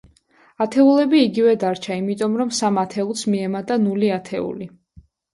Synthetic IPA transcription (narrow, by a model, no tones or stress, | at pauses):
at̪ʰɛulɛbiːɡivɛd̪aɾt͡ʃʰaimit̪ʼɔmɾɔmsamat̪ʰɛulˠsmiɛmat̪ʼanuliat̪ʰɛ̰ṵli